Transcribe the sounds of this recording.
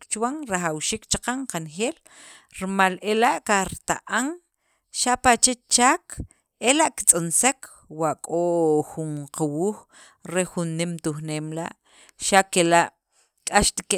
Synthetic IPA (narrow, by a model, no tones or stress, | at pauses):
kt͡ʃwaŋɾaxawʃiːk̚t͡ʃaqaŋqanxeːl | ɾimalelaʔkaɾt̪aʔaŋ | ʃaʔpat͡ʃet͡ʃaːk | elaʔki̥t͡sʼonsekʰ | waʔkʼoxuɴqawuːx | ɾexunːimt̪uxneːmla̰ʔ | ʃakelaʔ | kʼaʃt̪i̥ke